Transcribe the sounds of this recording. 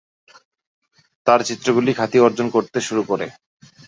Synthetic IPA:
t̪aɾt͡ɕit̪ːɾoɡulikʰat̪iɔɾd͡ʑonkoɾt̪eʃuɾukoɾe

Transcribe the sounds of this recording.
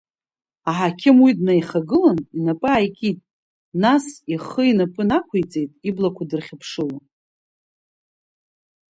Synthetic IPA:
aħakʲʰɪmwidnajχaɡɨlaninapʼɨajkʲʼitʼ | nasiχəinapʼɨnakʷʰajt͡sʼe̞jtʼiblakʷʰadɨrχʲapʰʂɨla

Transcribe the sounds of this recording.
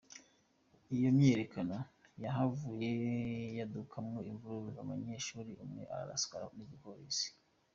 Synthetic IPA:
ijo̞mɲeɾekanojaɦavuːje̞jadukʰamŋoiɱvuɾuɾuzamaɲeʃuɾiʔumŋe̞̰ʔa̰ɾa̰ɾa̰sɡaniɟipoɾisi̥

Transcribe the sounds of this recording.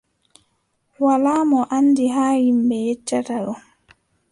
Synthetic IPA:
walaːmɔʔanːdiɦaːhimbɛjɛt͡ʃːataɗɔ

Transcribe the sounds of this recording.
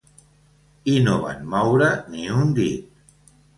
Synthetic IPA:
inoβa̰nmɔwɾəniund̪it̪̚

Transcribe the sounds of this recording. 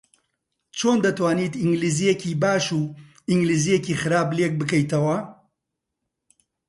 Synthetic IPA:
t͡ʃʰoːnd̪ɐt̪waːniːt̪iŋɡliːzijecibaːʃuː | iŋɡliːzijeciːxɨɾaːblek̚bɨkɐjt̪ɐwɐ

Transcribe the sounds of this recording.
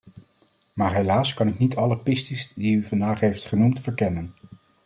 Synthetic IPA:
maːɹɦejlaːskɑnɪknitɑləpɪstizdiyvɑndaːχɦejftχənumtfəɹkɛnən

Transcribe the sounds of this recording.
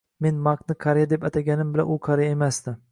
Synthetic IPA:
me̞nmɑqnɪkʰɑɾijad̪e̞pat̪ʰaɡʲanɪmbɪla̰nʔuqʰɑɾijemasd̪ɪ

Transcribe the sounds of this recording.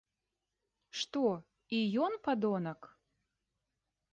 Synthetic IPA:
ʂt̪ɔ | ijɔnpad̪ɔnɐk

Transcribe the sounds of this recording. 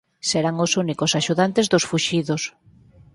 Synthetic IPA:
seɾaŋosunikoʊsaʃuðant̪ezðʊsfuʃiðos

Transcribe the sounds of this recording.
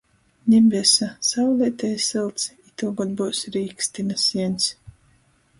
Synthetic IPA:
ɲʲimbʲisasawlʲiɛt̪ɛjsɨlˠt̪sit̪uɡɔd̪busɾiːkst̪inasiɛnʲs

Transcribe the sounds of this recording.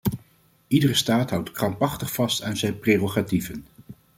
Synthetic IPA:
idərəstaːtɦʌwtkrɑmpɑχtəχfɑstaːnzɛjnpreːroχativən

